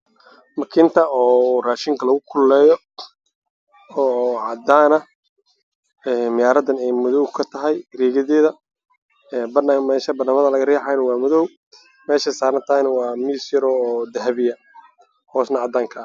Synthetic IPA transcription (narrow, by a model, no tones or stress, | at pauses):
mɐkʰɪnt̪ʰɐɔːraːʃɪŋkʰɐlɐɣʊkʰʊlːɛːjɔ | ɔːʕɑd̪aːnɐ | ɛːmɪjaːɾɐd̪ɐnɛjmʊðɔwkʰɐt̪ʰɐɦɛjriːɣɐðɛːðɐ | ɛːbɐnɐmɛːʃɐbɐd̪nɐmɐðɐlɐɣɐrɛːħajnɐwɑːmʊðɔw | mɛːʃɛsaːɾɐnt̪ʰɐɛjnɐwɑːmiːsjɐɾɔːd̪ɐɦɐβɪjɐ | hɔːsnɐʕɑd̪aːŋkʰɐː